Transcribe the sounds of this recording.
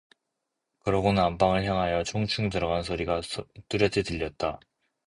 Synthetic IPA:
kɯɾʌɡonɯnampaŋɯɭçjaŋɦajʌt͡ɕʰoŋt͡ɕʰuŋtɯɾʌɡans̬ʰoɾiɡat͈uɾjʌtʰetɯʎːʌt̚t͈a

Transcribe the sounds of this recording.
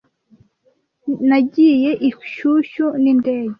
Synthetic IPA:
naɟijɛʔikʷʃuʃunind̪ɛːji

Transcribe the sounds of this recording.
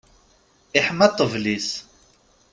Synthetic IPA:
iħmæt̪ˤːəvlis

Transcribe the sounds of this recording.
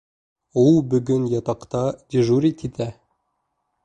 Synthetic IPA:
ulˠbɵ̆ɡɵnjɑt̪ɑqt̪ɑd̪ʲiʒuɾʲit̪it̪æ

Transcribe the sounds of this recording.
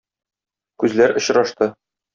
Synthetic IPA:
kʉzlæɾŏɕɾɑʃt̪ɤ

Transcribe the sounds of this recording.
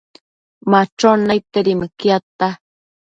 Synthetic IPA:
mat͡ʃonajt̪eɾimakjat̪a

